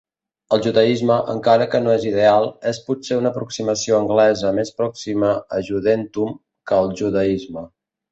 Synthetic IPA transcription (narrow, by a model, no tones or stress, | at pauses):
əlˠʒuðəizməʔə̰ŋkaɾəkənoezið̞ealˠɛsput̪seunəpɾuksiməsioəŋɡlɛzəmespɾɔksiməəʒuðent̪um | kəːlˠʒuðəizmə